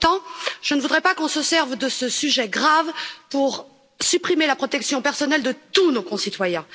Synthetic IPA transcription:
t̪ɑ̃ʒ̥ənəvud̪ʁɛpakɔ̃səsɛʁvd̪əsəsyʒɛɡʁavpuʁ | sypχimelapχɔt̪ɛksjɔ̃pɛʁsɔnɛld̪ət̪unokɔ̃sit̪wajɛ̃

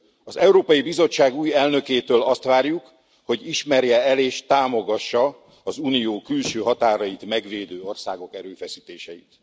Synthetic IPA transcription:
ɒzɛuɾoːpɒjibizo̞t͡ʃːaːɡuːjɛlnø̞keːt̪øːlɒst̪ʋaːrjuk | ho̞ɟiʃmɛrjɛɛleːʃt̪aːmo̞ɡɒʃːɒː | zuːnijoːkylʃøːɦɒt̪aːɾɒjit̪mɛɡʋeːd̪øːo̞rsaːɡo̞kɛɾøːfɛsiːt̪eːʃɛjit̪

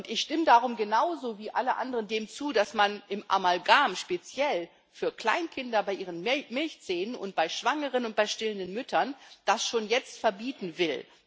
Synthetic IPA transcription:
ʔʊntɪçʃtɪmədaʁʊmɡənaʊzoːviːʔaləʔa̰ndəʁəndeːmt͡suːdasmanʔɪmʔa̰malɡaːmʃpet͡sjɛl | fyːɐkl̥a̰ɪnkʰɪndɐbaɪʔiːʁənmɪlçt͡seːnənʔʊ̰nt̚b̥aɪʃv̥aŋəʁ̞ənʊnt̚b̥aɪʃtɪləndənmʏtʰɐnd̥asʃoːnjɛt͡stfɛɐbiːtn̩vɪl

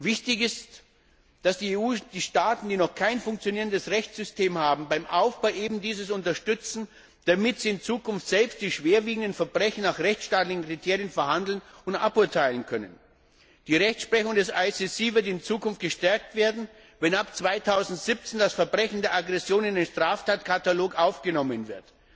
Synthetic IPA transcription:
vɪçtɪçɪst | d̥asd̥iːeːuːd̥iːʃtaːtn̩d̥iːnɔχkʰaɪnfʊŋk̚t͡sjoniːʁəndəsʁɛçt͡sz̥ʏstʰeːmhaːbm̩baɪmʔaʊfb̥aʊʔeːbm̩diːzəsʊntɐʃtʏt͡sn̩ | d̥amɪtz̥iːɪnt͡suːkʰʊnftz̥ɛlpst̚d̥iːʃv̥eːɐviːɡŋ̩dən̩fɛɐbʁɛçn̩naχʁɛçt͡ssʃtaːtlɪçn̩kʁ̥itʰeːʁjənfɛɐhandl̩nʊntʔa̰pʊɐtʰaɪlənkʰœnən | d̥iːʁɛçt͡ssʃpʁ̥ɛçʊŋdɛsʔaɪsisiːvɪɐtɪnt͡suːkʰʊnft̚ɡ̥əʃtɛɐk̚tv̥eːɐdn̩ | vɛnapt͡sv̥aɪtʰaʊzn̩tz̥ɪp̚t͡sendasfɛɐbʁɛçn̩deːɐʔaɡʁɛsjoːnɪndenʃtʁ̥aːftʰaːtkʰataloːkʔaʊfɡ̥ənɔmənvɪɐt

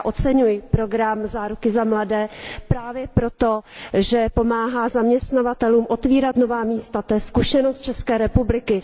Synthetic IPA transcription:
ʔo̞t͡sɛɲujɪpɾo̞ɡɾamzaːɾukɪzamladɛːpɾaːvjɛpɾo̞t̪o̞ʒɛpo̞maːɦaːzamɲɛst̪navat̪ɛluːmʔo̞t̪viːɾat̪no̞vaːmiːst̪at̪ojɛskuʃɛnost̪̚t͡ʃɛskɛːɾɛpublɪkɪ

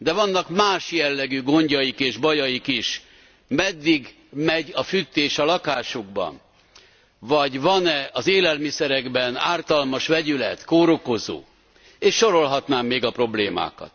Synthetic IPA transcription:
d̪ɛvɒnːɒkmaːʃjɛlːɛɡyɡo̞ɲɟɒjikeːʒbɒjɒjikiʃ | mɛd̪ːiɡ | mɛɟɒfyt̪ːeːʃɒlɒkaːʃuɡ̚bɒ̰n | vɒɟvɒnɛɒzeːlɛlmisɛɾɛɡbɛna̰ːrt̪ɒlmɒʃʋɛɟylɛt̪koːɾoko̞zo̰ː | eːʃːo̞ɾo̞lɦɒt̪naːmːeːɡɒpro̞bleːma̰ːkɒ̰t̪

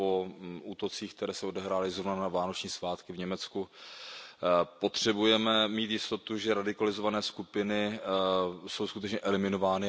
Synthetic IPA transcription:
ouːt̪o̞t͡siːxk̚t̪ɛɾɛːsɛo̞dɛɦɾaːlɪzɾovnanavaːno̞t͡ʃɲiːsvaːt̪kɪvɲɛmɛt͡sku | po̞t̪r̝̥ɛbujɛmɛmiːt̪jɪst̪o̞t̪uʒɛɾadɪkalɪzo̞vanɛːskupɪnɪ | so̞wskut̪ɛt͡ʃɲɛʔɛlɪmɪno̞vaːnɪ

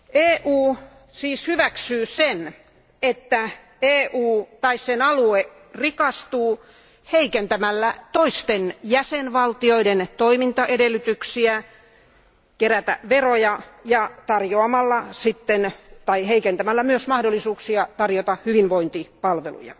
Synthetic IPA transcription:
ʔeːʔuː | siːshyʋæksyːsen | et̪ːæ | eːʔuːt̪ɑissenɑlue | rikɑst̪uː | heikent̪æmælːæt̪oist̪enjæsenʋɑlt̪ioident̪oimint̪ɑʔedelˑːyt̪yksiæ | keɾæt̪æ̰ʋerojɑjɑt̪ɑrjoɑmɑlːɑsit̪ːent̪ɑiheikent̪æmælːæmyøsmɑhdolːˑisuːksiɑt̪ɑrjot̪ɑhyʋinʋoint̪ipɑlʋḛlṵjɑ̰

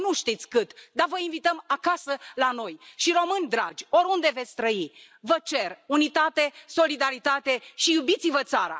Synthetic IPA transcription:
nuʃt̪it̪sʲkɨt̪d̪avəinvit̪əmakasəlano̞jʃiɾo̞mɨnʲd̪ɾa̰d͡ʒʲo̞ɾund̪e̞ve̞t̪sʲt̪ɾəi | vət͡ʃe̞runit̪at̪e̞so̞lid̪aɾit̪at̪e̞ʃijubit̪sivət̪saɾa̰

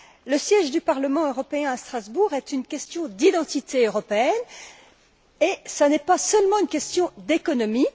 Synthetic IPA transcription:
ləsjɛʒd̪ypaʁləmɑ̃øʁɔpeɛ̃ast̪χazbuʁɛt̪ynkʲɛst̪jɔ̃d̪id̪ɑ̃t̪it̪eøʁɔpeɛn | esanɛpasœlmɑ̃ynkʲɛst̪jɔ̃d̪ekɔnɔmi

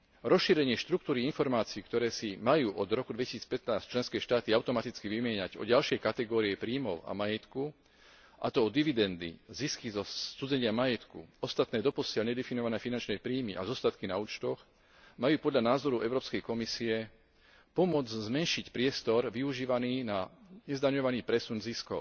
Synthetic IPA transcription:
ɾɔsʃiːɾɛɲɪɛʃt̪ɾuk̚t̪uːɾiinfɔɾmaːt͡siiːkt̪ɔɾɛːsimajuːʔɔd̪ɾɔkud̪ʋɛci̥siːt͡spɛt̪naːsct͡ʃlɛnskɛːʃt̪aːt̪iaʊt̪ɔmat̪it͡skiʋimɪɛɲaɟɔ̰ɟalʃɪɛjkat̪ɛɡɔːɾiɛpɾiːmɔʊa̰majɛt̪ku | ʔa̰t̪ɔɔd̪iʋid̪ɛnd̪ḭziskizɔud͡zɛɲɪamajɛt̪kṵɔst̪at̪nɛːd̪ɔpɔsɪɛlɲɛd̪ɛfinɔʋanɛːfinant͡ʃnɛpɾiːmiʔa̰zɔst̪at̪kinauːt͡ʃt̪ɔx | majuːpɔd̪ʎanaːzɔɾuʔɛʊɾɔːpskɛjkɔmisiɛ | pɔmʊɔd͡zzmɛnʃicpɾɪɛst̪ɔɾʋiuʒiːʋaniːnaɲɛzd̪aɲɔʋaniːpɾɛsunziskɔʊ

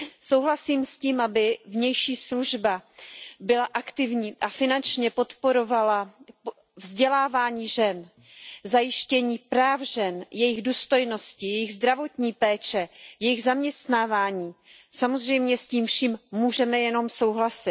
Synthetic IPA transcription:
so̞wɦlasiːmsciːmʔabɪvɲɛjʃiːsluʒbabɪlaʔakt̪ɪvɲiːʔafɪnant͡ʃɲɛpo̞t̪po̞ɾo̞vala | vzɟɛlaːvaːɲiːʒɛn | zajɪʃcɛɲiːpɾaːfʒɛnjɛjɪɣduːst̪o̞jno̞scɪjɛjɪɣzd̪ɾavo̞t̪ɲiːpɛːt͡ʃɛjɛjɪɣzamɲɛst̪naːvaːɲiː | samozr̝ɛjmɲɛsciːmfʃiːmmuːʒɛmɛjɛno̞mso̞wɦlasɪ

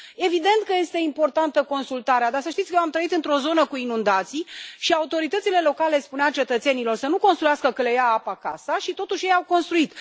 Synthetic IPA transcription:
e̞vid̪e̞nt̪̚kəje̞st̪eimpo̞rt̪ant̪əko̞nsult̪aɾead̪asəʃt̪it̪skəjoamt̪ɾəit̪ɨnt̪ɾo̞zo̞nəkuinund̪at̪siʃiaut̪o̞ɾit̪ət̪sile̞lo̞kale̞spuneat͡ʃe̞t̪ət̪se̞nilo̞rsənuko̞nst̪ɾujaskəkəlejaapaka̰səʃit̪o̞t̪uʃʲje̞jawko̞nst̪ɾuit̪

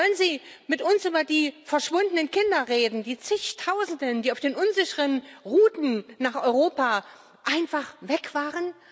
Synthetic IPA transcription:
ɔlənziː | mɪtʔʊnsʔyːbɐdiːfɛɐʃv̥ʊndənənkʰɪndɐʁeːdn̩diːt͡sɪçtʰaʊzn̩dəndiːaʊfd̥eːnʔʊnzɪçəʁənʁuːtn̩naːχʔɔʏʁoːpaː | ʔaɪnfaχvɛkv̥aːʁən

